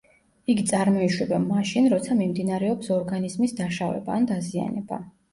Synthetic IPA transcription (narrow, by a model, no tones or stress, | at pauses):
iɡit̪sʼaɾmɔiʃwɛbamaʃinɾɔt̪sʰamimd̪inaɾɛɔpsɔɾɡanizmisd̪aʃavɛ̰baːnd̪azia̰nɛba